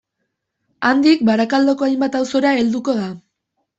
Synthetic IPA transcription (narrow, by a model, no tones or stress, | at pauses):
and̪ik̚baɾakald̪o̞ko̞ajmbat̪awso̞ɾae̞ld̪uko̞ð̞a